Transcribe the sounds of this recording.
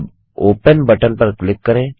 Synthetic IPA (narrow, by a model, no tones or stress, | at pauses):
b | oːpənbəʈənpɐɾklɪkːɐɾẽː